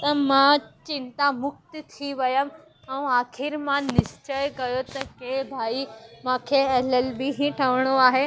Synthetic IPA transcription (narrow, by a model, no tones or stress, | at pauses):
t̪ɐmãt͡ɕɪ̃nt̪amʊk̚t̪t̪ʰiʋɐjəm | ɐũaːxɪɾmãnɪst͡ɕəjkɐjot̪ɐkebʱaːimãːkʰeɐləlbiɦĩʈʰɐʋɽ̃oaːɦe